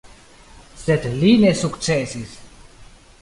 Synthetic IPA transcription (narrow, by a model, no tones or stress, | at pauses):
set̪linesukt͡sɛsis